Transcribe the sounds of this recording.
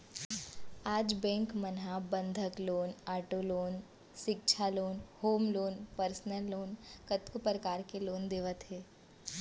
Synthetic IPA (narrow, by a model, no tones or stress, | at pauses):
aːd͡ʒbɛ̃ːŋkmənɦabə̃nd̪ʱəkloːnaːʈoloːn | ʃɪk̚t͡ʃʰaloːnhoːmloːnpəɾsnəlːoːnkət̪kupɾəkaːɾkeloːnd̪eːʋət̪ɦɛː